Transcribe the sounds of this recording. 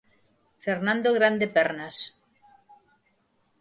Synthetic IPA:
feɾnãnd̪oɣɾand̪epɛɾnas

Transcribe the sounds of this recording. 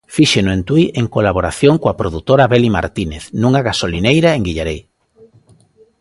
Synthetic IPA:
fiʃenʊẽnt̪wiʔeŋkolaβoɾaθjoŋkoapɾoðut̪oɾaβɛlima̰ɾt̪ineθnũŋaɣasolinejɾaeŋɡiʎaɾej

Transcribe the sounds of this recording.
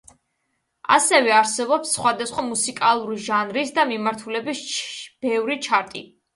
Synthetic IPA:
a̰sɛvɛaɾsɛbɔpsːχwad̪asχwamusikʼalˠuɾiʒanɾisd̪amimaɾt̪ʰulɛbisb̥ɛvɾit͡ʃʰaɾt̪ʼi

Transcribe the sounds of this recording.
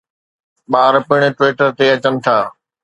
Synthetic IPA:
ɓaːɾpɪɽ̃̆ʈʋeːʈəɾt̪eɐt͡ɕənɪ̆t̪ʰaː

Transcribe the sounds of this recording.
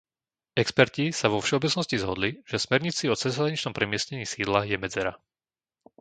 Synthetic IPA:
ɛkspɛɾcisaʋɔfʃɛɔbɛt͡snɔscizɦɔd̪liʒ̥ɛsmɛɾɲit͡siɔt͡sɛzɦɾaɲit͡ʃnɔmpɾɛmɪɛsɲɛɲiːsiːd̪lajɛmɛd͡zɛɾa

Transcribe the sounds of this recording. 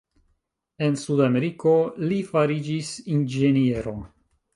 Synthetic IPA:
e̞nsudame̞ɾiko̞lifaɾid͡ʒisind͡ʒe̞nieɾo̞

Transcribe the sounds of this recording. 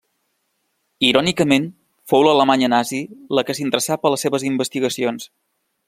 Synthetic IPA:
iɾɔnikəmen | fowlələmaɲənaziləkəsint̪ɾəsapələsːeβəzimbəst̪iɣəsions

